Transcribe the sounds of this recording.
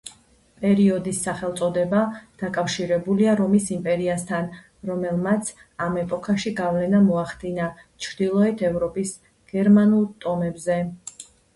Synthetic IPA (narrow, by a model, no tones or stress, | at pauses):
pʼɛɾiɔd̪isːaχɛlt̪sʼɔd̪ɛbad̪̥akʼafʃiɾɛbuliaɾɔmisimpʼɛɾiast̪ʰan | ɾɔmɛlˠmat̪sʰ | amɛpʼɔkʰaʃiɡavlɛnamɔaχd̪̥inat͡ʃʰɾd̪̥ilˠɔɛt̪ʰɛvɾɔpʼis | ɡ̥ɛɾmanulˠt̪ʼɔmɛbzɛ